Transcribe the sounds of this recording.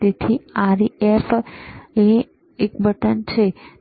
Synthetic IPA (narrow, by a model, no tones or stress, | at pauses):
et̪ʰiaɾief | e | ekbʱəʈənt͡ʃʰe